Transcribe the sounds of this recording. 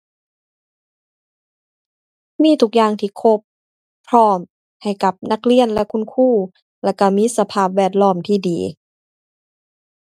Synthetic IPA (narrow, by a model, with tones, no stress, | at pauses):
miː˧˥˨t̪ʰu˧˩k̚jaː˧˩ŋt̪ʰiː˧˩kʰo˦˥pʰː | ɾɔː˧˥˩m | ha˨˩jka˨˩p̚na˧˥˩k̚li˧˥˨ənlɛ˧ʔkʰu˧˥˨nkʰuː˥˩ | lɛ˧˩wka˧˩miː˧˥˨sa˧pʰaː˧˩p̚wɛː˧˩t̪̚lɔː˧˥˩mt̪ʰiː˧˩diː˨˦